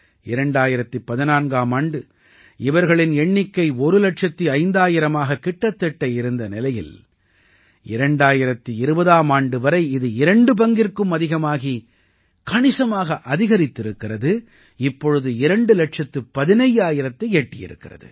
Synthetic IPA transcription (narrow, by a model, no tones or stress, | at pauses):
ɪɾɐɳɖaːjɪɾɐt̪ːɯpːɐðɪnaːnɡaːmaːɳɖɯ | ɪʋɐɾɣɐɭɪnɛɳːɪkːɐɪɔɾɯlɐʈt͡ʃɐt̪ːiɐɪnd̪aːjɪɾɐmaːɣɐkɪʈːɐt̪ːɛʈːɐjɪɾɯnd̪ɐnɪlɐjɪ̰l | ʔɪ̰ɾɐɳɖaːjɪɾɐt̪ːiɪɾɯbɐðaːmaːɳɖɯʋɐɾɐɪɪðɯɪɾɐɳɖɯp̬ɐŋɡɪrkɯmɐðɪɣɐmaːɣi | kɐɳɪsɐmaːɣɐʔɐðɪɣɐɾɪt̪ːɪɾɯkːɪrɐðɯ | ɪpːɔɻɯðɯɪɾɐɳɖɯlɐʈt͡ʃɐt̪ːɯpːɐðɪnɐjaːjɪɾɐt̪ːɐeːʈːɪjɪ̰ɾɯ̰kːɪrɐ̰ðɯ̰